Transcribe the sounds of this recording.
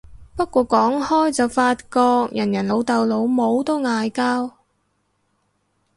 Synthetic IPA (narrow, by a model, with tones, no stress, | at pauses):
pɐ˥t̚kʷɔː˧kɔː˨˥ŋhɔː˥jt͡sɐ˨wfaː˧t̚kɔː˧k̚jɐ˨˩njɐ˨˩nlo˨˧wt̪ɐ˨wlo˨˧˥wmo˨˧wt̪o˥wŋaː˨jkaː˥w